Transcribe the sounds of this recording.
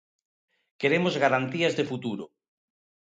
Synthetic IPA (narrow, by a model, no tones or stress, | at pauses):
keɾemozɣaɾant̪iazðefut̪uɾo